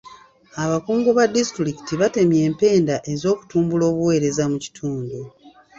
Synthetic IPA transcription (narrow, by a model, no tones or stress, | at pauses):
aβakuːŋɡoβadistɾiki̥tiβate̞mje̞ːmpe̞ːndaʔe̞zo̞ːku̥tuːmbulo̞ːβuwe̞ːɾe̞zamuci̥tʰuːndu